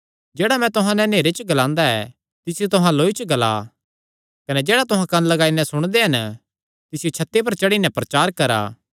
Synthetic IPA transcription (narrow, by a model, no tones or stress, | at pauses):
d͡ʒeːɽamɛ̃t̪ʊɦãnɛ̃neːɾet͡ʃəɡɐlãːnd̪aɛ̰ | t̪ɪsɪjot̪ʊɦãloːit͡ʃəɡɐla̰ː | kɐnɛd͡ʒeːɽat̪ʊɦãkɐnlɐɡaːinɛ̃sʊɽ̃d̪eɦɐn | t̪ɪsɪjot͡ʃʰɐt̪ːep̬ɐɾt͡ʃɐɽinɛ̃pɾɐt͡ʃaːɾkɐɾa̰ː